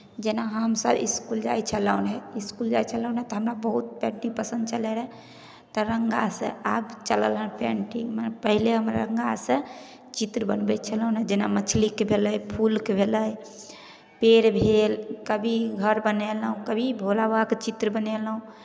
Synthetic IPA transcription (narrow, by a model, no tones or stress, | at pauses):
d͡ʒenaɦəmsəbḭskuld͡ʒajt͡ʃʰələunɦɛiskuld͡ʒajt͡ʃʰələũnɦɛt̪ɔɦəmɾabəɦut̪̚pɛ̃ɳʈipəsə̃nd̪t͡ʃəlɛɾɛ | t̪ɔɾəŋɡasə̰̃abt͡ʃələlɦənpɛ̰̃ɳʈimpəɦileɦəmɾa̰ɾə̃ŋɡasə̃ | t͡ʃit̪ɾəbənbɛt͡ʃʰələunɦɛd͡ʒenamət͡ʃʰlikebʱeləjpʰulkebʱeləj | peɾbʱelkəbʱiɡʱəɾbənelɦũkəbʱibʱolabaket͡ʃit̪ɾəbənɛlɦũ